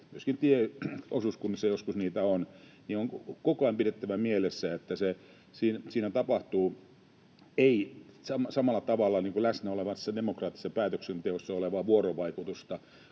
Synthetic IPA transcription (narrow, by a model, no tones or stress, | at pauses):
myøskint̪ieosuskunːsejoskusniːt̪æon | niːoŋkokoɑˑimpiɾet̪ːæʋæmielesːæet̪ːæse | siːnsiːnæt̪ɑpɑht̪uː | eisɑmsɑmɑlːˑɑt̪ɑʋɑlːˑɑniːŋkulæsnæoleʋɑnssːɑdemokrɑːt̪ːi̥sːɑpæːt̪øksent̪eosːɑoleʋɑːʋuoroʋɑikut̪ust̪ɑ